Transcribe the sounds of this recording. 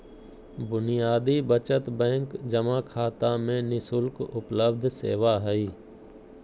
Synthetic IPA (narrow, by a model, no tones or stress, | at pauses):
bʊnijaːd̪iːbət͡ʃət̪bɛ̃ːŋkd͡ʒəmaːkʰaːt̪amẽnɪsʊlkʊpləb̚d̪ʱsḛːʋaːɦɛiː